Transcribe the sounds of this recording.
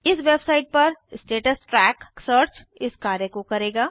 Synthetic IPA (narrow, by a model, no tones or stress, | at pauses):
ɪsʋeːbsaɪʈ̚pɐɾsʈeːʈəsʈɾɛːksəːɾt͡ʃ | ɪskaːɾjəkokɐɾeːɡaː